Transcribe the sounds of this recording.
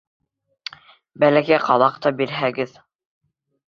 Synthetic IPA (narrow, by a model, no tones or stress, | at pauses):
bælækæjqʰɑlˠɑqt̪ɑbiɾɦæɡɘð